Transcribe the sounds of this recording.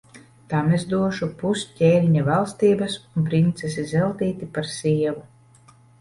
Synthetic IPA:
t̪amezd̪uɔʃupuscʲɛːlʲiɲavalˠst̪iːbɐsunpɾint̪sesizɛlˠt̪iːt̪ipaɾsiɛvu

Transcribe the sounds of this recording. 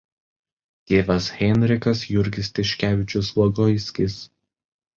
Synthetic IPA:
t̪ʲeːʋɐsɣʲɛnʲɾʲɪkɐs̬jʊɾʲɡʲɪsʲt̪ʲɪʃʲkʲæːʋʲɪt͡ʃʲʊslˠɔɡɔjsʲkʲɪs

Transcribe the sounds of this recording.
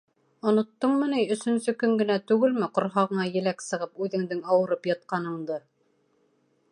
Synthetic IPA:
ŏnŏt̪ːɤɴmɘ̆nɘjɵ̆sɵ̆nsɵkɵŋɡɘ̆næt̪ʉɡɘlmɘqŏɾɦɑʁɤ̆ɴɑjɘ̆læksɤ̆ʁɤpʉðɘ̆ŋd̪ɘŋɑwɤ̆ɾɤpjɑt̪̚qɑnɤ̆ɴd̪ɤ

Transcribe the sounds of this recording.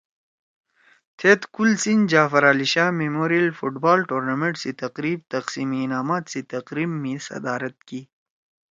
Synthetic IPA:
t̪ʰet̪kulsind͡ʒaːfɐɾaːliɕaːmemoːɾijəlfuʈbaːlʈoːɾnameɳʈsit̪ɐqɾiːb̚t̪ɐqsiːmiːnaːmaːt̪sit̪ɐqɾiːmːisɐ̰d̪aːɾɐt̪̚ki

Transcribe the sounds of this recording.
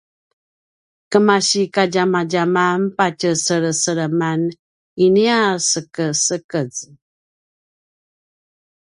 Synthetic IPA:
kəmaɕikaɟamaɟamampat͡ʃəsəɾəsəɾəman | iniasəkəsəkəd͡z

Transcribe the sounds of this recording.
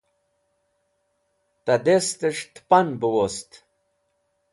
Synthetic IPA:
t̪ɐd̪est̪əʂt̪pɐnbɨwost̪

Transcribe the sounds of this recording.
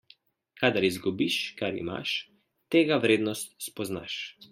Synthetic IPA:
kʰad̪aɾizɡubiʃkaɾḭma̰ʃ | t̪eːɡaʋɾeːd̪nɔst̪spɔzna̰ʃ

